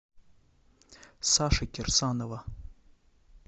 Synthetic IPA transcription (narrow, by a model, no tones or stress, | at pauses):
saʂakʲʼɪrsanova